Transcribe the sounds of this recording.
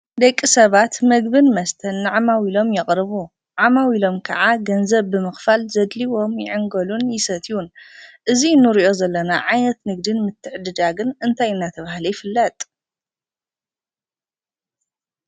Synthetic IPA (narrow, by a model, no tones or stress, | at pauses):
d̪ɐkʼːisɐβat̪mɐɡbɨnmɐst̪ʰɐnːaʕamawilo̞mjɐχʼɾɨβu | ʕamawilo̞mkʰɐ̰ʕaɡɐnzɐβːɨmɨxfalzɐd̪liwo̞mjɪ̰ʕɨŋɡɐlunjɪsɐt̪ʰijunʔɨzinːɨɾiʔo̞zɐlːɐnaʕajnɐt̪nɨɡ̚d̪ɨnmɨt̪ʰːɨħd̪ɨd̪aɡɨnɨnt̪ʰajɨnːat̪ʰɐβahlɐjɪfɨlːɐt̪ʼ